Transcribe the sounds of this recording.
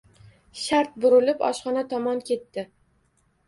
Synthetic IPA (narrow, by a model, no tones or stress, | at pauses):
ʃaɾt̪̚bʊɾʊlɪpɒ̰ʃχɒnat̪ʰɒmɒnkʲʰe̞t̪ːɪ